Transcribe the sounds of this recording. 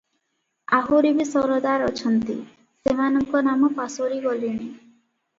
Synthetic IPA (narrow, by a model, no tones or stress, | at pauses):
a̰ɦuɾibisɔɾɔd̪aɾɔt͡ʃʰɔnt̪i | semanɔŋkɔnamɔpasoɾiɡɔlini